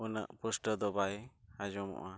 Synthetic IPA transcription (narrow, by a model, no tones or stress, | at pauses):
unə̰ʔpusʈəd̪ɔbajhad͡ʒɔmɔ̰ʔa